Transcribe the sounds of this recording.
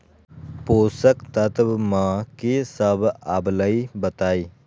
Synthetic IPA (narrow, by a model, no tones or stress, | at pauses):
poːsəkt̪ət̪bmãːkisəbabləibət̪aːiː